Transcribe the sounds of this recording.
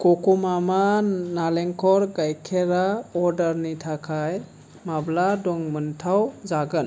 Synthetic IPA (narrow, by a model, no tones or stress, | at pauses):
kokumamanaleŋkʰɔɾɡajkʰeɾaɔɾdaɾnitʰakʰaj | mabladɔŋmɯntʰawzaɡɯn